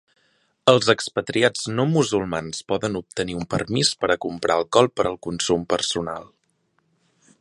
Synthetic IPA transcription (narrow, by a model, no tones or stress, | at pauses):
əlˠzəkspət̪ɾiad͡znomuzulˠmanspɔðənup̚t̪əniumpərmispəɾəkumpɾʔaəlˠkɔlˠpəɾəlˠkunsumpərsuna̰lˠ